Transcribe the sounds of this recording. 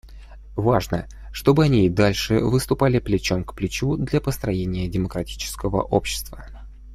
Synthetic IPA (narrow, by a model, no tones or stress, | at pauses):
vaʐnə | ʂt̪o̞bɨɐnʲid̪alʲʂɨ̰vɨst̪ʊpalʲɪplʲɪt͡ɕomkplʲɪt͡ɕud̪lʲapəst̪ɾɐjenʲɪjədʲɪməkɾɐtʲi̥t͡ɕɪ̥skəvə̰ʔo̞̰pɕːɪ̥st̪və̰